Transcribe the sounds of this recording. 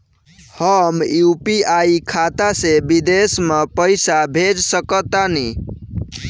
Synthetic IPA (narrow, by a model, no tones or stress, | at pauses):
həmjupiaikʰat̪asebid̪esmepəɪsabʱed͡ʒsəkət̪ani